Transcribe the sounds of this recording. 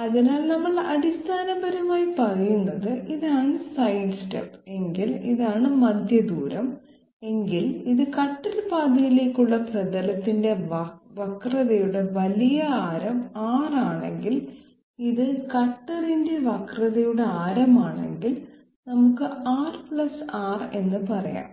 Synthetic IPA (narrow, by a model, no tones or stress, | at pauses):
ɐðinaːlnɐmːɐɭɐɽist̪ʰaːnɐbɐɾɐmaːjipɐrɐjunːɐðɨʔiðaːɳɨsɐjɖsʈɐ̰pːe̞ŋɡiliðaːɳɨmɐd̪ʱjɐd̪uːɾɐm | e̞ŋɡiliðɨkɐʈːɐɾpaːd̪ɐjile̞ːkʲːuɭːɐprɐðɐlɐt̪ːinde̞ʋɐʋɐkrɐðɐjuɽe̞ʋɐlijɐaːɾɐmaːraːɳe̞̰ŋɡil | iðɨkɐʈːɐrinde̞ʋɐkrɐðɐjuɽe̞aːɾɐmaːɳe̞̰ŋɡil | nɐmukːɨʔaːrpɭɐsaːre̞nːɨpɐrɐ̰ja̰ːm